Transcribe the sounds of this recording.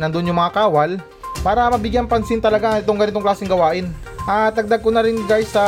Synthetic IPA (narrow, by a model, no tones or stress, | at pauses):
nɐnd̪ʊʔonjʊŋmɐŋakaːwɐl | paːɾɐmɐbɪɡjaŋpɐnsɪnt̪ɐlɐɡaɪt̪oŋɡɐnɪt̪oklaːsɪŋɡɐwaːʔɪn | ʔat̪ɐɡ̚d̪aɡ̚konɐɾɪnɡajsɐ